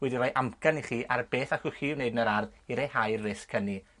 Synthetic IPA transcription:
wɛdiɾɔjʔamkaniχiːʔarb̥eːθakʊχiːwneɨdnəɾarðiɾehajrɪskʰəni

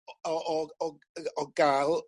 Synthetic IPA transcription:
ɔʔɔɔ | ɔɡalˠ

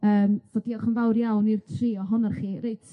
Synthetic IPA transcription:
əːmvɔdiɔχənvawɾjawnirtʰriːɔɦʊnarχiːrejtʰ

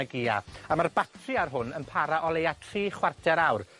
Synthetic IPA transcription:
əɡiːa̰amarbatʰrɨarɦʊnənpʰaɾaʔɔlˠejatʰriːχwartʰɛɾawr

